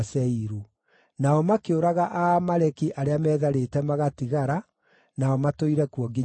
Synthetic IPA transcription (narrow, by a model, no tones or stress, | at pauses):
sɛiɾu | naɔmakeoɾaɣaʔamaɾɛkiʔaɾeamɛːðaɾetɛmaɣatiɣaɾa | naɔmatoiɾɛkuɔɡi